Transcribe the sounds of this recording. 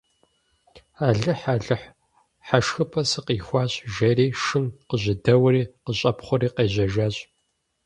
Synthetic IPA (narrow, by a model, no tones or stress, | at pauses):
aːɮɨħaɮɨħ | ħaʃxɨpʰɐsɨqiːxʷɑːɕʼʒɐriːʃɨnqəʑɪdɐwriːqəɕʼɐpχʷʊɾiːqeːʑɐʒaːɕʼ